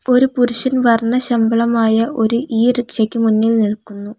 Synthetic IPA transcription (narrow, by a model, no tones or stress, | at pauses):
o̞ɾupuɾuɕɐnʋɐrɳɐɕɐmbɐɭɐmaːjɐʔo̞ɾuiːɾekʂɐkʲːɨmunːilniɭkːunːu